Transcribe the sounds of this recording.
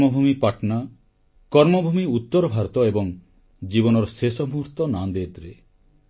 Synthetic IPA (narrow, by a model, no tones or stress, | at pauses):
mɔbʱumipaʈna | kɔɾmɔbʱumiut̪ːɔɾɔbʱaɾt̪ɔebɔŋ | d͡ʒibɔnɔɾɔsesɔmuɾt̪ɔnand̪et̪ɾe